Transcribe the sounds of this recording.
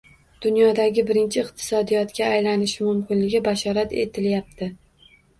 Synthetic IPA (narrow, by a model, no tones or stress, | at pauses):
d̪̥ʊnjɒd̪aɡʲɪbɪɾɪnt͡ʃʰɪɪqt̪ʰɪ̥sɒd̪ijɒt̪kʲaːjlanɪʃɪmʊmkʲɪnlɪɡʲɪbaʃɒɾat̪e̞̰t̪ʰɪljap̚t̪ʰɪ